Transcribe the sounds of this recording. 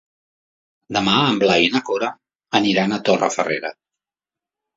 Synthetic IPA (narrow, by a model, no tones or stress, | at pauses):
d̪əmaəmblainəkoɾəː | niɾanət̪orə̰fəreɾə